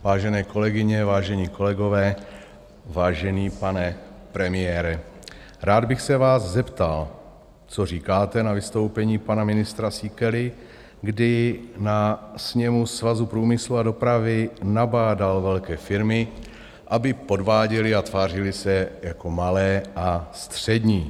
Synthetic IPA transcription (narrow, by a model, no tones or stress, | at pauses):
vaːʒɛnɛːko̞lɛɡɪɲɛvaːʒɛɲiːkʰo̞lɛɡo̞vɛː | vaːʒɛɲiːpanɛpɾɛmɪjɛːɾɛ | ɾaːd̪bɪxsɛvaːzzɛpt̪al | t͡sor̝iːkaːt̪ɛnavɪst̪o̞wpɛɲiːpanamɪnɪst̪ɾasiːkɛlɪ | ɡdɪnasɲɛmusvazupɾuːmɪsluado̞pɾavɪnabaːdalvɛlkɛːfɪɾmɪ | ʔabɪpo̞dvaːɟɛlɪat̪vaːr̝ɪlɪsɛjako̞malɛːʔast̪r̝̥ɛdɲiː